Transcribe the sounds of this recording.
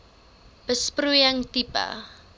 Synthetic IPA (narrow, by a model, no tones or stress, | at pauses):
b̥əsprujaŋt̪ipa̰